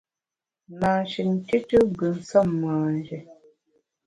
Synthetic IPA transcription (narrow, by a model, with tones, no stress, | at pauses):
naː˨ʃi˨n̩˨ti˦tə˦ɡə˨n̩˨sɔ˦˨mːaː˨nd͡ʒɛ˨